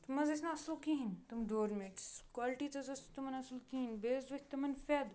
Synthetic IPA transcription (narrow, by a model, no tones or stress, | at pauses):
t̪ɐmɐzɐsnɐɐslkiɦint̪ɐmd̪oːɾmeʈskwaːlʈiːt̪ɐzɐst̪ɐmɐnɐslkiinbeːzɐkʰʲt̪ɐmɐnfed̪